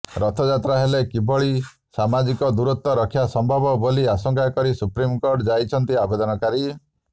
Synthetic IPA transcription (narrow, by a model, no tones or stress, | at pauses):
ɾɔt̪ʰɔd͡ʒat̪ɾaɦelekibɔɭi | samad͡ʒikɔd̪uɾut̪ːɔɾɔkʰːjasɔmbʱɔbɔboliasɔŋkʰakɔɾisupɾimkoɾʈd͡ʒajt͡ʃʰɔnt̪iabed̪ɔnɔkaɾi